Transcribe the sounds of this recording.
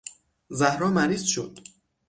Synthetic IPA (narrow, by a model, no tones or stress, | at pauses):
zæhɾɒːmæɾiːz̥ʃo̰d̪̥